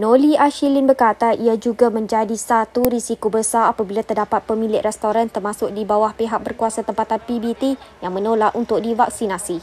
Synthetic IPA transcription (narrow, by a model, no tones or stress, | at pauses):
noliaʃilinbərkat̪aʔiad͡ʒuɡamə̃ɲd͡ʒadisat̪uɾisikobəsaapabilat̪ərdapat̪̚pəmĩlɪʔrɛst̪oɾant̪ərmasʊk̚dibawahpeɦak̚bərkuasat̪əmpat̪anpibit̪ijaŋmə̃nolaʔunt̪ʊk̚divak̚sinasi